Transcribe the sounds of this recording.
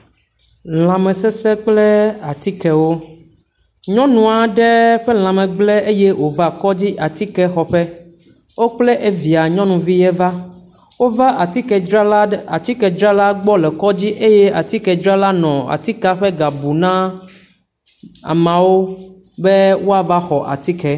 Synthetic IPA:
l̃ã˨mɛ̃˨sɛ˦sɛ˦k͡plɛ˦a˨t̪i˦kɛ˨wo˦ | ɲɔ̃˦nũ˨a˨ɖɛ˦ɸɛ˦l̃ã˨mɛ̃˨ɡ͡blɛ˦e˦jɛ˦wo˨va˦kɔ˦d͡ʑi˦ʔa˨t̪i˦kɛ˦xɔ˨ɸɛ˦ | wo˦k͡plɛ˦ʔe˦vi˨a˨ɲɔ̃˦nũ˨vi˦jɛ˦va˦ | wo˦va˦ʔa˨t̪i˦kɛ˨ɾa˦a˨t̪i˦kɛ˨d͡ʒɾa˦la˦ɡ͡bɔ˦lɛ˨kɔ˦d͡ʑi˦ʔe˦jɛ˦a˨t̪i˦kɛ˨d͡ʒɾa˦la˦nɔ̃˨a̰˨t̪i˦ka˦ɸɛ˦ɡa˨bu˨nã˦ | a̰˨mã˨wo˦ | bɛ˦wo˦a˨va˦xɔ˨ʔa̰˨t̪i˦kɛ˨

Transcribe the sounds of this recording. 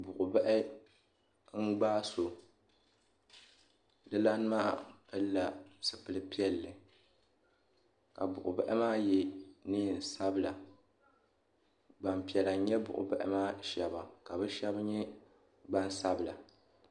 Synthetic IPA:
bʊ˨ʔʊ˨ba˦ʔɪ˦ | ŋ̩˦ɡ͡baː˦so˨ | dɨ˦la˦n˦maː˦pɨ˦lːa˨sɨ˨pɨ˨lɨ˦pi˦ɛ˦lːɨ˨ | ka̰˨bʊ˨ʔʊ˨bɛ̰˦ʔɪ˦maː˦jɛ˨nɨ˦˨n̩˨sa˦bɨ˦la˨ | ɡ͡ba˨mpi˨ɛ˨la˨˦ɲɛ˦bʊ̰˨ʔʊ̰˨bɛ˦ʔɪ̰˦maː˦ʃɛ˨ba˨ka˨bɛ˦ʃɛ˦bɲɛ˦ | ɡ͡ba˦n˦sa˦bɨ˨la˨

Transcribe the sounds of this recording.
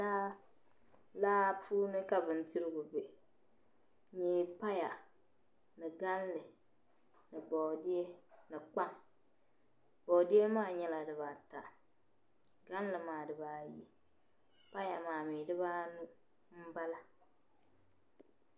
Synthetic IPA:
a˦ | laː˦puː˦nɨ˦ka˨bɨ˨ntɪ˦ɾɪ˦ɡʊ˨bɪ˨ | ɲeː˨˦pa˦ja˨ | nɨ˨ɡa˦nlɨ˨ | nɨ˨bɔ˨dɪ˦ɛ˦nɨ˨k͡pa˦ŋ | b̥ɔ˨dɪ˦ɛ˦maː˦˨ɲɛ˦la˨dɨ˨βa˨ta˨ | ɡa˦n˦lɨ˨maː˨dɨ˨baː˨ji˨ | pa˦ja˨maː˨miː˨dɨ˦βaː˦nu˦ | m̩˦ba˦la˦

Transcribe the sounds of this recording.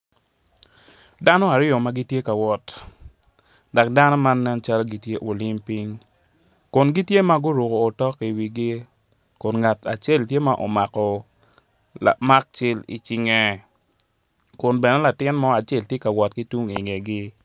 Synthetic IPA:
da˦nɔ˦a˨ɾɪ˦ɔ˨ma˦ɡi˦tje˦ka˨wɔ˨t | dɔ˨k̚da˦nɔ˦ma˦nːɛ˦nt͡ʃa˦lɡi˦tje˦ʔo˨li˦mpi˦ŋ | kʊ˨nɡi˦tje˦ma˦ɡʊ˦ɾo˨kɔː˨tɔ˦ki˨wi˨ɡi˦ | kʊ˨nŋa˨ta˨t͡ʃe˦˨ltje˦ma˦ʔo̰˨ma˨kɔ˨ | la̰˨ma˦k̚t͡ʃɪ˦lḭ˨t͡ʃi˨ŋɛ˨ | kʊ˨nbɛ˨nɛ˨˦la˨tɪ˦nmɔ˦a˨t͡ʃe˦ltje˦ka˨wɔ˨tki˦tu˦ŋi˨ŋe˨ɡɪ˦

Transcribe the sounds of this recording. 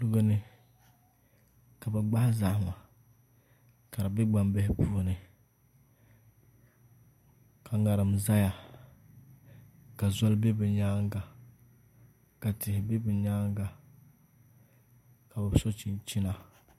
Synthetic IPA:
lʊ˦ɡa˦nɨ˦ | ka˨bɛ˨ɡ͡ba˦hza˨hma˨ | ka˨ɾa˨bɪ˦ɡ͡ba˨mbɛ˦hɪ˦pu˦o˦nɨ˨ | kʰa˨ŋa˨ɾɨ˨m˨za˦ja˨ | ka˨zɔ˦lbe˦bɛ˨ɲa˦ŋɡa˨ | ka˨tɪ˨hɪ˨be˦bɪ˨ɲa˦ŋɡa˨ | ka˨bɛ˨˦so˦t͡ʃi˦nt͡ʃi˦na˦

